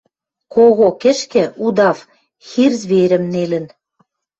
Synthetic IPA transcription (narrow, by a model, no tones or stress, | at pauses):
koɣokɘ̆ʃkĕud̪ɑf | xirzβeɾə̆mnelə̆n